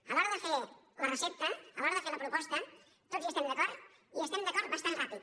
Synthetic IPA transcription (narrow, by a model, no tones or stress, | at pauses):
aloɾðəfe | laresipt̪ɐalɔɾðefeɾlɐpɾupɔst̪ɐ | t̪ot̪ziest̪emd̪akɔɾ | iest̪emd̪eakɔɾt̪̚basanrapið